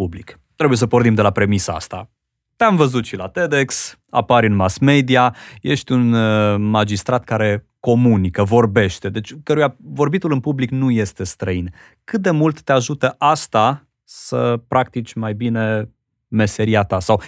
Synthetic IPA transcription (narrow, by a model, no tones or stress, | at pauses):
ublik | t̪ɾe̞buje̞s̬əpord̪imd̪e̞lapɾe̞misaa̰st̪a̰ | t̪eamvəzut̪ʃilat̪e̞d̪e̞ks | a̰paɾʲɨnmasme̞d̪iaje̞ʃt̪ʲunmad͡ʒist̪ɾat̪kaɾe̞ | ko̞munikəvo̞rbe̞ʃt̪e̞d̪e̞t͡ʃʲkəɾujavo̞rbit̪ulɨnpubliknuje̞st̪e̞st̪ɾəin | kɨt̪̚d̪e̞mult̪ːeaʒut̪əʔast̪a | səpɾʔak̚t̪it͡ʃʲmajbine̞ | me̞se̞ɾiat̪asaw